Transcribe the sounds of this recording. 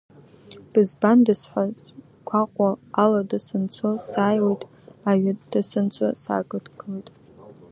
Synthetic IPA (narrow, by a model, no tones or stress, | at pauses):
b̥ɨzbandɨsħʷazʼ | kʷʰaqʷʼaːladasɨnt͡sʷʰosaːjwejtʼ | aɥad̥asɨnt͡sʷʰʼasa̰ːɡʼɨdɡɨlejtʼ